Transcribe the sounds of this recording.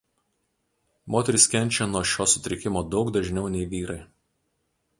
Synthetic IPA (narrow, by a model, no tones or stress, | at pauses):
moːt̪ʲɛɾʲɪskʲɛnʲt͡ʃʲɛnuɔʃʲoːsʊt̪ʲɾʲɪkʲɪmoːd̪ɒʊɡd̪ɐʒʲnʲɛʊnʲɛɪʋʲiːɾɐɪ